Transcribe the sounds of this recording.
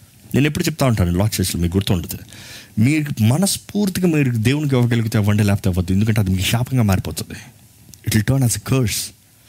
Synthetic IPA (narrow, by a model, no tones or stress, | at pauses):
nʔe̞ːnepːuɽut͡ʃɛp̬̚ːt̪aːuɳʈaːnɐlɔːkt͡ʃeːslɐmiːɡuɾut̪ːoːɳɖɐd̪imiːɾmɐnɐspuːɾt̪iɡaːmiːɾud̪eːʋunik̬ɛʋːɐɡeluɡut̪eʋɐɳɖelɛːpɐ̥t̪eʋɐd̪ːuend̪ukɐɳʈ̬eɐd̪imiːkɐʃaːpɐŋɡaːmaːɾipɔːt̪und̪i | iʈilʈɐɾnaːsekʰɐɾs